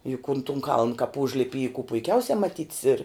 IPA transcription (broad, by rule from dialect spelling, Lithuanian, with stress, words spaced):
jʊk ʊn tʊn kɐlˠn kɐp ˈʊʒʲlʲɪpʲɪ iː kʊ pʊɪˈkʲɛʊsʲɛ mɐˈtʲiːtʲs ɪr